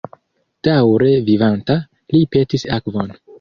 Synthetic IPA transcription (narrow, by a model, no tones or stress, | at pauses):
d̥awɾe̞vivanta | lipe̞tisakvo̞n